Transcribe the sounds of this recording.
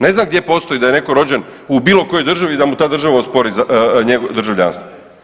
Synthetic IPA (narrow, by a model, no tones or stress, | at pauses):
ne̞znamɡd̪je̞po̞st̪o̞jid̪aje̞ne̞ko̞ɾo̞d͡ʑenubiːlo̞kojo̞jd̪r̩ʒaʋid̪amut̪aːd̪r̩ʒaʋaospo̞ɾizaɲeɡod̪r̩ʒaʋʎa̰ːnst̪ʋo